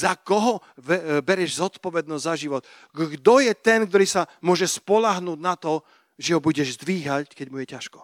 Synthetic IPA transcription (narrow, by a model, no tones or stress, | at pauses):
zakɔɦɔ | bɛɾɛʒzɔt̪pɔʋɛd̪̚nɔzʲzaʒiʋɔt̪ | ɡɡd̪ɔjɛt̪ɛnk̚t̪ɔɾiːsamʊɔʒɛspɔlaɦnuːdnat̪ɔ | ʒɛɦɔbuɟɛʒzd̪ʋiːɦackɛɟmujɛcaʃkɔ̥